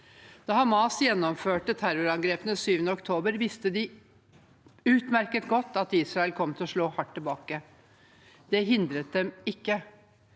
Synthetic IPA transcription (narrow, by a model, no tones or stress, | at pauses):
d̪̥ɑːhɑmɑːsjɛnːɔmføːʈət̪ʰæɾʊɾɑŋɡɾeːpənəsyːʋənəɔkt̪ʰoːbəɾʋɪst̪əd̪ɪ | ʉːt̪mæɾkət̪ɡɔt̪ːɑt̪iːsɾɑɛlkʰɔmːt̪ʰɪlɔʂɭoːhɑʈːɪlbɑːkə | d̪̥ɛɦɪnd̪ɾət̪̚d̪ɛmɪkːə